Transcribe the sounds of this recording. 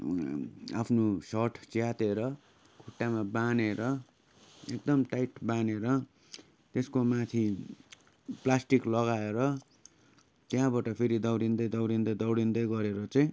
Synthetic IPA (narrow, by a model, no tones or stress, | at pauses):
a̰pʰnosʌʈʰt͡sjat̪eɾʌ | kʰuʈːamabaneɾʌ | ekd̪ʌmʈajʈbaneɾʌ | t̪eskomat̪ʰi | plasʈiklʌɣaeɾʌ | t̪jãbaʈʌpʰeɾid̪ʌwɽind̪ʌjd̪ʌwɽind̪ʌd̪ʌwɽind̪ʌjɡʌɾeɾʌt͡sʌĩ